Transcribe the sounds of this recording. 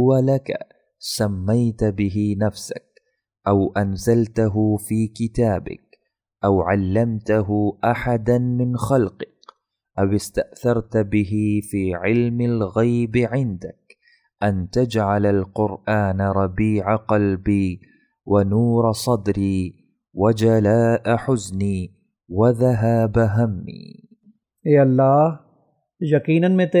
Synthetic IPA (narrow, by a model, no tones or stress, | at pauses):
ʊwalaka̰ | samːajt̪bɪɦɪnafsa̰k̚ | ʔawʔanzalt̪aɦʊfiːkɪt̪aːbɪ̰k̚ | ʔawʕalːamt̪aɦʊʔaħad̪anmɪnxalqɪk̚ | ʔawɪst̪aʔθɑɾˤt̪bɪɦɪfiːʕɪlmalɣajbɪʕɪnd̪ak | ʔant̪ad͡ʒʕalalqʊɾʔaːnaɾˤɑbiːʕaqɑlbiː | wʔanuːɾˤɑsˤɑd̪ɾiː | wad͡ʒalaːʔaħʊzniː | waðaɦaːbaɦamːḭː | eːɐlːɑːh | jaqiːnənmẽt̪